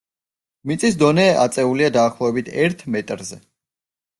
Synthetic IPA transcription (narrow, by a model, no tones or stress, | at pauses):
mit̪sʼisd̪ɔnɛːʔa̰t̪sʼɛuliad̪aːχlˠɔɛbit̪ʰɛɾt̪ʰmɛt̪ʼɾzɛ